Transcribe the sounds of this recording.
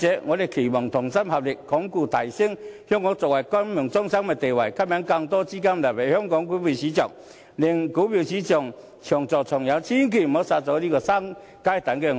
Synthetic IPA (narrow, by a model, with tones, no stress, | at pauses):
t͡ɕɛ˨˦ŋɔ˨˧le˨˩kʰi˨˩mɔ˨˩ŋt̪ʰʊ˨˩ŋsa˦˥mha˨p̚li˨˩kkːɔ˨˦ŋku˧˩t̪ʰa˨˩jsi˥˨ŋhjɔ˥ŋːɔ˧˦t͡sɔ˨kwa˨jkwa˦˥mmʊ˨˩ŋt͡sɔ˥ŋsa˥ŋmɛ˨˧t̪e˨wa˨˩jkʰa˥p̚ja˧˦ŋka˧ŋt̪ɔ˦t͡ɕi˦ka˦˥m˨˧la˨˩pe˨˩hjɔ˦˥ŋkɔ˨˧˦ŋku˧˦pi˨˩ɕi˨˦t͡ɕjɔ̰˨˩ŋ | li˨˩ŋku˨˦pi˨˩ɕi˨˦t͡ɕjɔ˨ŋ | t͡ɕʰjɔ˨˩ŋt͡sɔ˨˩t͡ɕʰɔ˨˩ŋja˨˦t͡ɕʰi˦ŋkʰi˨˩m˨mo˨˧˦sa˧t͡sɔ˧˦li˦˧kɔ˧sa˦˥ŋ | ka˧˥jt̪a˨˦nkɛ˧ŋ˧